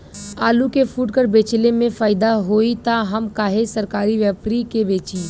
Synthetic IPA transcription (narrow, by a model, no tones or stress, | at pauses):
aːlukefʰuːʈkəɾbeːt͡ʃlemẽfaːɪd̪aɦoːit̪aɦəmkaːɦesəɾkaːɾiʋjəpɾikebeːt͡ʃiː